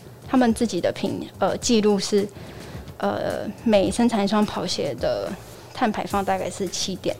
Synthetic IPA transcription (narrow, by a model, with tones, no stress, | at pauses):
t̪ʰa˥mə˨nt͡sɹ̩˥˩t͡ɕi˨˩d̪ə˦pʰḭ˧˩ŋə˧t͡ɕi˥˧lu˥˧ʂɻ̩˥˩ | ə̰˧me˨˩ɪʂə˥ŋt͡sʰa˧˥nʂwɑ˥ŋpʰɑ˨˩ʊɕjɛ˧˥d̪ə̰˧ | t̪ʰa˥˩npʰa˧˥ɪfɑ˥˧ŋt̪a˥˧ka˥ɪʂɻ̩˥˩t͡ɕʰi˥t̪jɛ̰˨˩˦n